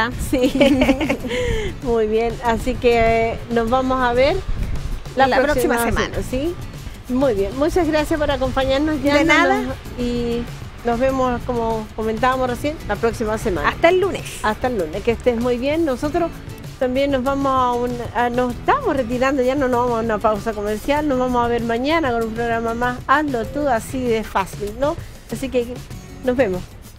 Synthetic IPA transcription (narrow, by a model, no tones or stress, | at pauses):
asi | mujβjenasikenozβamosaβeɾ | laɾoɾosisimasesma̰nasi | mujβje̞nmut͡ʃazɣɾasjapoɾako̞mpaɲaɾnosʝaenaa | i | nozβe̞moskomokoment̪̬aβamosresje̞nlapɾoksimasema̰naast̪aelːunesast̪aelːuneskest̪emujβjenːosot̪ɾos | t̪ambjenːozβamosaunanoseht̪amosret̪̬iɾand̪oʝanonozβamosaunapawsakomeɾsjalnozβamosaβeɾmaɲanakonumpɾoɣɾamamasalt̪ot̪uðasiðesfasilno | asike | nozβe̞mos